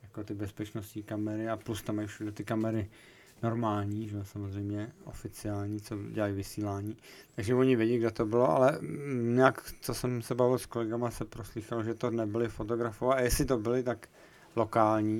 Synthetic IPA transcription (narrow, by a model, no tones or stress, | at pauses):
jakot̪ɪbɛspɛt͡ʃnostɲiːkamɛɾɪaplust̪amːajfʃudɛt̪ɪkamɛɾɪ | no̞ɾmaːlɲiːʒɛsamozrɛjmɲɛʔo̰fɪt͡sɪaːlɲiːt͡soɟɛlajvɪsiːlaːɲiːt̪aɡʒɛvoɲɪvjɛɟɛjɡdɛt̪o̞bɪloʔa̰lɛɲaːkt͡sosɛmsɛbavɪlskolɛɡamasɛpɾoslixaloʒɛt̪onɛbɪlɪfot̪oɡɾafovajɛsɪt̪obɪlɪt̪ak | lokaːlɲiː